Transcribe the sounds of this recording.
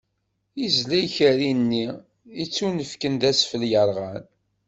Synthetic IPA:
izlæjçəɾinːi | it͡sːunəfkənd̪æsfəljəɾˤʁən

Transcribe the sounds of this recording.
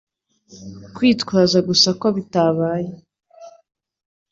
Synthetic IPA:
kwiːtkwaːzaɡusakoβitaβaːje

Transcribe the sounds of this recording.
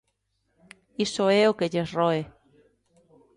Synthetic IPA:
isoeokeʎesroe

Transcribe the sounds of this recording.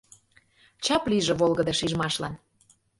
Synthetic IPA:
t͡ɕɑpliʒĕβolɣəd̪ɤ̆ʃiʒmɑʃlɑn

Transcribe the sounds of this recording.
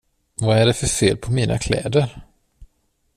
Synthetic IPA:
vaæɖɛfœɾfeːlpʰɔmiːnʔa̰kʰlɛ̰ːd̪əɾ

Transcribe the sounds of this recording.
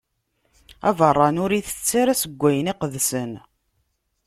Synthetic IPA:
ævərˤːɑnʊɾiθə̥t͡sːaɾæsəɡʷːæjəniqəðsən

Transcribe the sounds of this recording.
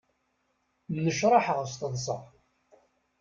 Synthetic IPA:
mːəʃɾˤɑħəʁəst̪əðˤsə̰ʁ

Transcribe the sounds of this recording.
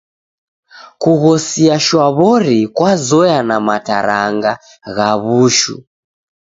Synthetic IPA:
kuɣɔsiaʃwaβɔɾikwazɔjanamata̰ɾaŋɡa | ɣaβuʃṵ

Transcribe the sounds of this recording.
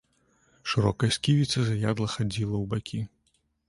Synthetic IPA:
ʂɨɾɔkɐjɐsʲkʲivʲit̪sɐzajad̪lˠɐxad͡zʲilˠɐwbakʲʰi

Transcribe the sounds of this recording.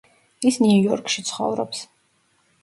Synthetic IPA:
isniujɔɾkʰʃit̪sʰχɔ̰vɾɔps

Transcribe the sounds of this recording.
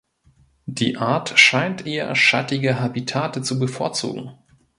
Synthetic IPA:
d̥ḭːʔaɐtʃaɪntʔeːɐ̰ʃa̰tɪɡəɦabitʰaːtət͡subəfoːɐt͡sṵːɡŋ̩

